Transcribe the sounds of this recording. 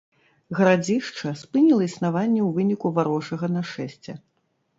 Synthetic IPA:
ɣɐɾad͡zʲiʂt͡ʂɐspɨnʲilˠɐisnavanʲːɛwvɨnʲikuvaɾɔʂɐɣɐnɐʂɛsʲt͡sʲɛ

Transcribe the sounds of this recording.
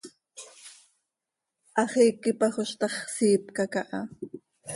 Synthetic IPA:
ʔɑχiːkɪpaχʊʃt̪ɑχsiːpkakaʔɑ

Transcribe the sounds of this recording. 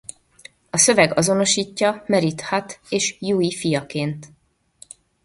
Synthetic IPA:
ɒsø̞vɛɡɒzo̞no̞ʃiːcːɒmɛɾit̪hɒt̪eːʃjuːifijɒkeːnt̪

